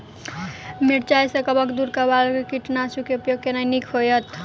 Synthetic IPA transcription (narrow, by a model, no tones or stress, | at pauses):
miɾt͡ʃajsəkəbəkd̪uɾkabalkkiʈnasukeupjoɡ̚kenajnikʰɦojət̪